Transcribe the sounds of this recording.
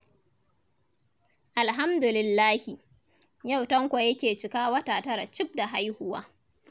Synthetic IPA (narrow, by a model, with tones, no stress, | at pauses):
ʔa˨lɦa˦mdʊ˨lɪ˨lːaː˦hi˨ | ja˦˨wtɐ˦ŋkʷa˨jɐ˦kʲeː˨t͡ʃɪ˨kaː˦wɐ˦taː˨tɐ˦ɾa̰˨t͡ʃɪ˦b̚da˨ɦa˦jhʊ˦wa̰ː˦